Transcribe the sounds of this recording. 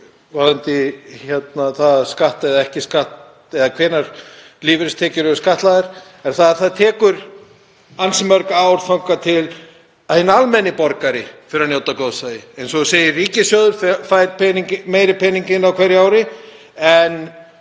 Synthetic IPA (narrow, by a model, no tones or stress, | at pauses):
vaɾant̪ɪçjɛt̪naθaðskaht̪ɛðaɛhcɪskaht̪ | ɛðakʰvɛːnaɾ̥ | liːvɪɾɪst̪ʰɛːcɪɾʏskaht̪laðɪɾ̥ | ɛɾ̥θaðθaðt̪ʰɛːkʏɾ | ansɪmœɾkawɔɾθawŋkat̪ʰɪl | ahɪnalmɛnːɪpɔɾkaɾɪfɪɾɪɾnowt̪akɔðsajɪejnsɔseːjɪriːcɪsjœːðʏɾffaːjɾpɛniŋmeːjɾɪpʰɛniɲcɪnawkʰvɛjɾɪaːwɾɪ | ɛn